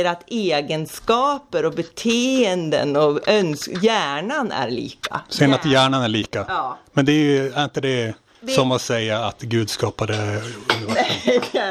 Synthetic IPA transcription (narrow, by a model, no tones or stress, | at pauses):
əɾat̪eːɡənskɑːpəɾɔbɛt̪ʰeːənd̪ə̰nɔœnsjæːɳanæ̰ɾɭḭːka̰sɛjənat̪jæːɳanæɭiːkamɛnd̪ɛæɾjæɾɪnt̪əd̪ɛ | sɔmat̪sɛjːaːt̪ɡʉ̟ːd̪skɑːpad̪ɛ